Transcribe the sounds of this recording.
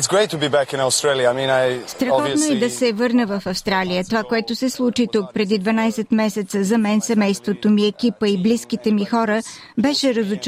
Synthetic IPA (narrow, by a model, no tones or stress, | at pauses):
tsɡ̥ɹeɪtʰːəbibækɪ̃nastɹ̥eɪlˠjəaɪmĩnaɪst̪ɾɐxɔt̪noɛd̪ɐsɛvɤɾnəvɐfɐfst̪ɾalijət̪ovakoɛt̪osɛslˠut͡ʃit̪uk̚pɾɛd̪id̪vɐnajsɛt̪mɛsɛt̪səzɐmɛnsɛmɛjst̪vot̪omiɛkʲipəibliskit̪ɛmixɔɾə | bɛʃɛɾəzʊt͡ʃ